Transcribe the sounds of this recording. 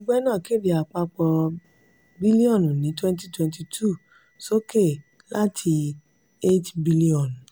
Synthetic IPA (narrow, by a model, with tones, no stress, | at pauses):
o˦ɡ͡bɛ˦nãː˦˨ke˦˨di˨a˨k͡pa˧k͡pɔ˧ | bi˦li˦ɔ̃˦˨n˨nĩ˨˦twɛ̃˦nti˦twɛ̃˧nti˧tʰu˦˨ | so˦ke˦˨ | la˦tʰi˧ | e˦tbi˦li˦ɔ̃˨n